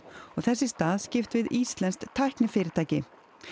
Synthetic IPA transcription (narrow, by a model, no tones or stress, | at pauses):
ɔɣθɛsːɪst̪aːðscɪft̪vɪðist̪lɛnst̪ʰːajhknɪfɪːɾɪt̪ʰaːjcɪ